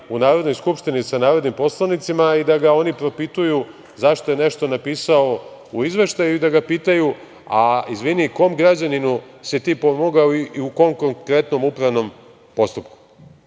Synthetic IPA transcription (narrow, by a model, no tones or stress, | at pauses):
unaːɾod̪no̞jskupʂt̪inisanaːɾo̞d̪nimpo̞slˠanit̪simaid̪aɡao̞nipɾo̞pit̪uju | zaʃt̪o̞je̞ne̞ʃt̪o̞napiːsao | uizʋe̞ʃt̪ajuid̪aɡapiːt̪aju | aizʋiniko̞ːmɡɾad͡ʑaninusɛt̪iːpomoɡaoiiukomko̞ŋkɾe̞t̪no̞mupɾaʋno̞m | po̞st̪upku̥